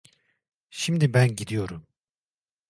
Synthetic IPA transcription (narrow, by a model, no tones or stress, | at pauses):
ʃimd̪ibænɟid̪ijo̞ɾum